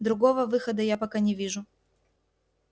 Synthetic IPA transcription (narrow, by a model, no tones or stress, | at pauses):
d̪ɾʊɡovəvɨxəd̪əjapɐkanʲɪvʲiʐʊ